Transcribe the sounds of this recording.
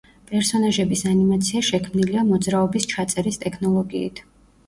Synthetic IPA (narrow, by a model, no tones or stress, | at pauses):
pʼɛɾsɔnaʒɛbisanimat̪sʰiaʃɛkʰmniliamɔd̪zɾaɔbist͡ʃʰat̪sʼɛɾist̪ʼɛkʰnɔlˠɔɡiːt̪ʰ